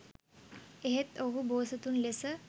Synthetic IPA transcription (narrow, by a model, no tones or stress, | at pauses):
eɦet̪oɦuboːsət̪unlesə